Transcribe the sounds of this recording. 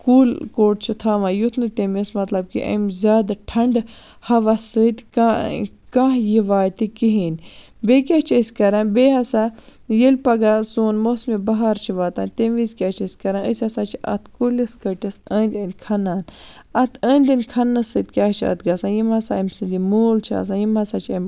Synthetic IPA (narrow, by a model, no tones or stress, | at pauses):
kuːlkoːʈ̚t͡ʃʰit̪ʰaːʋajut̪ʰnɨt̪emismɐt̪lɐb̚kḭʔɐ̰mzʲaːd̪ʈʰɐɳɖ | hɐʋɐsɨd̪ka | kãɦjiʋaːt̪ikiɦiːn | beːk̬ʲat͡ʃʰəsʲkɐɾaːnbeːɦɐsajilʲpɐɡasuːnmosmibɐɦaɾt͡ʃʰiʋaːt̪aːnʲt̪emizkʲat͡ʃʰɐsʲkɐɾanəsʲɐsat͡ʃʰiɐ̰t̪ʰkulʲɐskɐʈʲɐsəːnʲd̪ʲɐnkʰɐnaːn | ɐt̪ʰəːnʲd̪ɐnʲkʰɐnːɨsɨd̪̚kʲaːt͡ʃʰɐ̰t̪ɡɐsãjimɐsaɐmsɨnd̪imoːlt͡ʃʰa̰ːs̬ãːjimɐsat͡ʃʰɐm